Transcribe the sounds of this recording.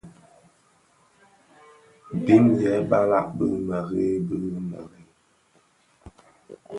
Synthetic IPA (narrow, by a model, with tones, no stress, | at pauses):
bi˦njɛ˨˦ba˦la̰˦˨ʔbɨ˦mə˨ɣe˦bɨ˦ma̰˨ɣe˦